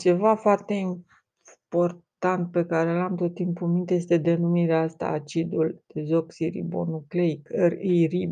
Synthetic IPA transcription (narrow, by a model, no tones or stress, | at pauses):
t͡ʃe̞vafoart̪e̞im | po̞rt̪ant̪̚pe̞kaɾelamt̪o̞t̪ːimpumint̪je̞st̪e̞d̪e̞numiɾeaast̪a̰ːt͡ʃid̪uld̪̥ezo̞ksiɾḭbo̞̰nukleikərijrib